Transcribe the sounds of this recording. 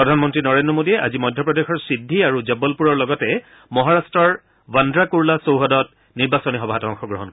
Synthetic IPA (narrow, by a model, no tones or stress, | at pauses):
ppɹɔdʱanmɔntɹinɔɹendɹɔmodiɛʔa̰zimɔjdʱjɔpɹɔdexɔɹsɹidʱːiaɹuzɛbɔlpuɹɔɹlɔɡɔtɛ | mɔɦaɹastɹɔɹ | wandɹakuɹlasowɦɔdɔt̚ | niɹbasɔnixɔbʱaatɔɔŋxɔɡɹɔɦɔnkɔ